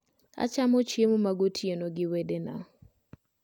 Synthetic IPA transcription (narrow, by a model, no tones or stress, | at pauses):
a̰t͡ʃamɔt͡ʃemmaɡotʰjenoɡɪwedena̰